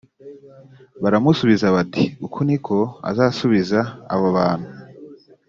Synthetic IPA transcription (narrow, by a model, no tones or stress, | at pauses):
βaɾamusuβizaβatiukʰonikʰo̞a̰zaːsuβiza̰ːβoβaːn̥hu